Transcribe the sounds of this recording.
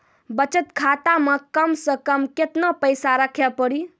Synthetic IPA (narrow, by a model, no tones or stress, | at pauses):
bət͡ʃət̪kʰat̪aməkəmsə̃kəmket̪nəpəjsaɾəkʰɛpəɾi